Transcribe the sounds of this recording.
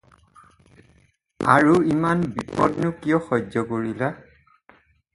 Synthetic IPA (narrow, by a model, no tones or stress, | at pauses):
a̰ɹuimanbipɔdnukijɔxɔjzɔkoɹila